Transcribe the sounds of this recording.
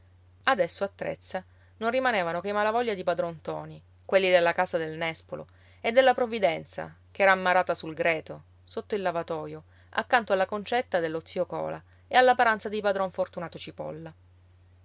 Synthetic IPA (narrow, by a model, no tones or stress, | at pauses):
ad̪ɛsːoat̪ːɾḛt̪sːa | nonrːimaneːvanokemalavɔʎːad̪ipad̪ɾɔnt̪ɔːni | kwelːid̪elːakaːsad̪elnɛspolo̰ | ed̪ːelːapɾovːid̪ɛnt̪sa̰ | keɛːɾaːmːaɾaːt̪asulɡɾɛːt̪o | sot̪ːoilːavat̪ɔːjo | a̰kːant̪oalːakont͡ʃɛt̪ːad̪elːot̪siokɔ̰ːla | ealːapaɾant̪sad̪ipad̪ɾɔɱfort̪unaːt̪ot͡ʃipɔ̰lːa